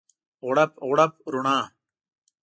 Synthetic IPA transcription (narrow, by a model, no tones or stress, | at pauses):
oɽɐpoɽɐp̚ɾuɳaː